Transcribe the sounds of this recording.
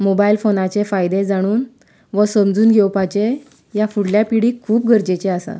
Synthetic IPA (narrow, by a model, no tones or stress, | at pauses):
mobailfonat͡ɕefajd̪ed͡zaɽ̃uːn | ʋəsəmd͡zuːnɡʱɛwpat͡ɕe | jafuɽljapiɽiːkʰuːp̚ɡʱəɾd͡ʑet͡ɕeasa̰